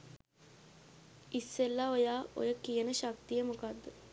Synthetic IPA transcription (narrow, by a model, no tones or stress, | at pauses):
isːelːaojaːo̰jəkijənəʃakt̪ijəmukad̪ːə